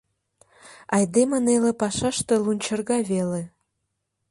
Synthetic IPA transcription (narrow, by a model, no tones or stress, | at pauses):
ɑjd̪emənelepɑʃɑʃt̪elunʲt͡ɕə̆rɣɑβele